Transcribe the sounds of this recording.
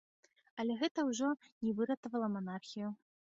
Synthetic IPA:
ɐlʲɛɣɛt̪ɐwʐɔnʲɛvɨɾɐt̪ɐvɐlˠɐmanarxʲiju

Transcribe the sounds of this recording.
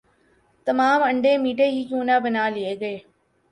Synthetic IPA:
t̪ɐmaːməɳɖẽːmiːʈeɦiːkjũːnaːbənaːlɪeɡɐeː

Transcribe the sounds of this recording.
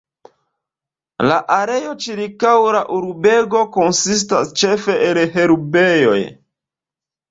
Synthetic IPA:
la̰ʔaɾe̞jo̞t͡ʃiɾkawɾaʔuɾbe̞ɡo̞ko̞nsis̬tast͡ʃe̞fe̞ʔelɦe̞ɾube̞jo̞̰j

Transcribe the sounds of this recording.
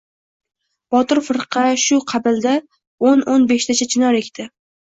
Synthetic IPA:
b̥ɒt̪ɪɾfɨɾqʰɑʃʊqʰɑbɪld̪a | ononbeʃt̪ʰat͡ʃʰat͡ʃʰɪnɒɾe̞kʲt̪ʰɪ

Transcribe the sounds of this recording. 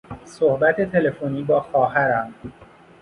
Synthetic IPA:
sohbæt̪ʰe̞t̪ʰe̞le̞foniːbɒːxɒːɦæɾæm

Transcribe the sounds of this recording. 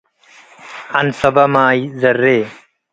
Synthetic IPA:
ɐnsɐbɐmaːizɐrːeː

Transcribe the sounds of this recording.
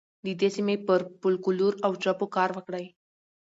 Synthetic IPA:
d̪id̪esimepəɾpulkuluɾawt͡ɕɾəpukaɾʋəkɽaj

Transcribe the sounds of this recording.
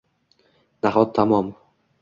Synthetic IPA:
d̪aɦɒt̪ʰːamɒm

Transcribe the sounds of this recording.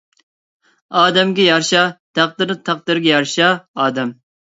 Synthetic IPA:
ɑːd̪ɛmɡʲɛjɑɾʃɑt̪ʰæq̚d̪ɨɾɨt̪ʰɑq̚d̪ɨɾɡʲɛjɑɾʃɑɑːd̪ɛm

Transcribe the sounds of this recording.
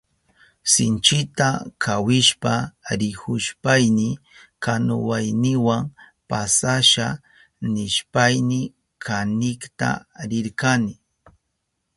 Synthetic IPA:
sɪnt͡ʃɪt̪akʰawɪʃpaɾɪhʊʃpajnɪ | kanʊwajnɪwaŋ | pasaʃa | nɪʃpajnɪ | kʰanɪkt̪a̰ɾɪɾkanɪ

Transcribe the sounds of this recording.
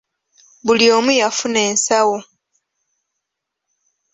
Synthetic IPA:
βulio̞ːmujafune̞ːnsawo

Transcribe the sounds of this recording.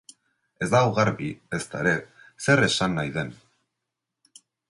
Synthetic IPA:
e̞zd̪aoɣaɾβie̞st̪aeɾe̞ | se̞ɾe̞sanːajðe̞n

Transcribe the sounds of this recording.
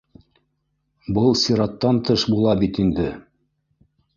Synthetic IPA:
bɤlˠsʲiɾɑt̪ːɑnt̪ɤʃbulˠɑbit̪ind̪ɘ

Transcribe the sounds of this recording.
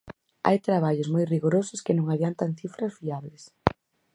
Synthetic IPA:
a̰jt̪ɾaβ̞aʎʊzmojriɣoɾosʊskɪnõŋaβjant̪aŋθifɾazβiaβles

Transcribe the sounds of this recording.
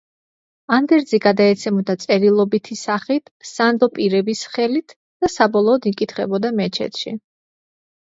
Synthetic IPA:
and̪ɛɾd̪ziɡad̪aɛt̪sʰɛmɔd̪at̪sʼɛɾilˠɔbit̪ʰisaχit̪ʰsand̪ɔpʼiɾɛbisχɛlit̪ʰ | d̪̥asabɔlˠɔːd̪ikʼit̪ʰχɛbɔd̪amɛt͡ʃʰɛ̰t̪ʰʃḭ

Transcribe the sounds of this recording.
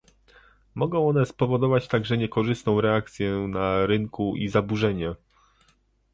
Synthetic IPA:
mɔɡɔ̃w̃ɔnɛspɔvɔd̪ɔvat͡ɕt̪aɡʐɛɲɛkɔʐɘst̪nɔ̃w̃ɾɛak̚t̪sʲjɛnaɾɘŋkuʔizabuʐɛɲɛ

